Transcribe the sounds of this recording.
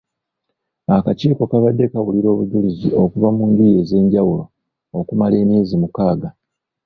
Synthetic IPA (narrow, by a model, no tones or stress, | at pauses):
akaciːko̞kaβadːe̞kawuliɾo̞ːβuɟulizio̞kuvamuːndije̞ːze̞ːɲɟawulo | okumale̞ːmiːzimukaːɡa